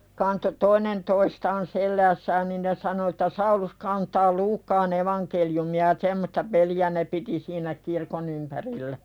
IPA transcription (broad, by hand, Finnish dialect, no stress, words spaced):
kɑnto toinen toistɑːn selːæːsːæːn nin ne sɑno etːæ sɑulus kɑːntɑː luːkːɑːn eʋɑnkeljumiɑ jɑ semːostɑ peliæ ne piti siːnæ kirkon ympærilːæ